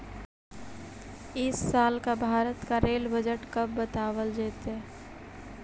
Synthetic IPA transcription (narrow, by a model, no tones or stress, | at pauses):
ɪsːaːlkabʱaːɾət̪kaɾeːlbəd͡ʒəʈkəb̚ːət̪aːwəld͡ʒeːt̪ɛ